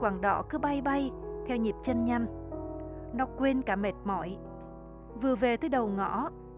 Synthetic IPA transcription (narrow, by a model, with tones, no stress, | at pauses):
kwaː˧˩ŋɗɔ̰˧˩kɨ˨˦ɓa˧jɓa˧jt̪ʰɛ˧wɲi˨˩p̚t͡ɕə˧nɲa˧ŋ | nɔ˨˦kwe˧nkaː˧˩me˨˩t̚mɔ̰˧˩˨j | vɨ˨˩əve˨˩t̪ʰɨː˨˦jɗə˨˩wŋɔ̰˧˨